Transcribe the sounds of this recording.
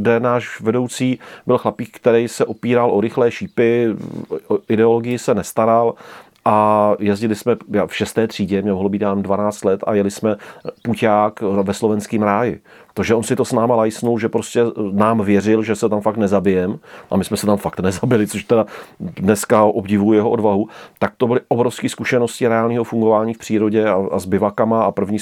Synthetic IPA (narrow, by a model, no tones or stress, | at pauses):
ɡdɛnaːʃvɛdo̞wt͡siːbɪlxlapiːk̚kt̪ɛɾɛjsɛʔopiːɾalʔoɾɪxlɛːʃiːpɪ | ɪdɛolo̞ɡɪjɪsɛnɛst̪aɾal | ʔajɛzɟɪlɪsmɛjafʃɛst̪ɛːt̪r̝̥iːɟɛmɲɛlɦlobiːt̪jaːnmdvanaːt͡st̪lɛt̪a̰jɛlɪsmɛpucaːkvɛslo̞vɛnskiːmɾaːjɪ | t̪oʒɛo̞nsɪt̪osnaːmalajsnulʒɛpɾoscɛnaːmvjɛrɪlʒɛsɛt̪amfakt̪nɛzabɪjɛmʔa̰mɪsmɛsɛt̪amfakt̪nɛzabɪlɪt͡soʃt̪ɛdadnɛskaʔobɟɪvujjɛɦoʔodvaɦut̪ak̚t̪obɪlɪʔobɾo̞fskiːskuʃɛno̞scɪɾɛaːlɲiːɦofuŋɡovaːɲiːfpr̝̥iːɾo̞ɟɛaa̰zbɪvakamaapr̩vɲiː